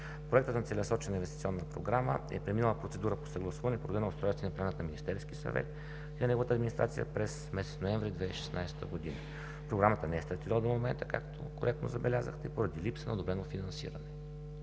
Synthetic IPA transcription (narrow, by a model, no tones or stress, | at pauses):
pɾoɛk̚t̪ət̪nɐt̪sɛlʲɛsɔt͡ʃɛnəinvɛst̪it̪siɔnːəpɾo̰ɡɾamə̰ɛ̰pɾɛminəlˠəpɾot̪sɛd̪uɾəpo̥səɡlˠɐsuvɐnɛpod̪od̪ɛnɐʊst̪ɾɔjst̪vɛnplʲanət̪nɐminist̪ɛɾskisɐ̰vɛ̰t̪̚ | inɐnɛɡovət̪əːd̪minist̪ɾat̪sijə̰pɾɛsmɛsɛt̪snoɛɱvɾid̪vɛiʃɛ̥snajst̪ə̰ɡod̪inə | pɾoɡɾamət̪ənɛɛst̪ɾɐt̪id̪lˠd̪omomɛnt̪ə̥ka̰kt̪ʰo̰koɾɛk̚t̪no̰zɐbɛlʲazə̰xt̪ɛpoɾəd̪ilipsənɐd̪obɾɛnofinɐnsḭɾənɛ